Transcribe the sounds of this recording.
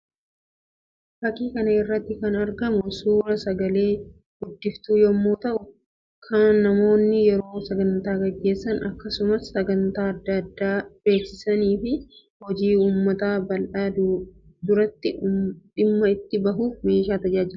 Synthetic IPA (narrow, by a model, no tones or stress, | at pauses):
fɐkiːkɐnɐɪrːɐt̪ːɪkɐnɐɾɡɐmʊsuːɾɐsɐɡɐleː | ɡʊd̪ːɪft̪uːjomːuːt̪ɐʔʊ | kʰɐːɐmo̞ːnːɪjɛɾo̞ːsɐɡɐnt̪aːɡɐɡːe̞ːsːɐnɐkːɐsʊmɐsːɐɡɐnt̪aːɐd̪ːɐd̪ːaːb̥e̞ːksɪsɐniːfɪ | hɔd͡ʒiːuːmːɐt̪aːbɐlʔaː | d̪ʊɾɐt̪ːɪᶑɪmːɐɪt̪ːɪbɐɦuːfme̞ːʃaːt̪ɐd͡ʒaːd͡ʒɪɾ